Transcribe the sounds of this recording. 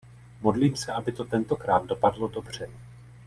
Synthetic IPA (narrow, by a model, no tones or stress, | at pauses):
mo̞dliːmsɛʔabɪt̪o̞t̪ɛnt̪o̞kɾaːd̪̚do̞padlo̞do̞br̝̥ɛ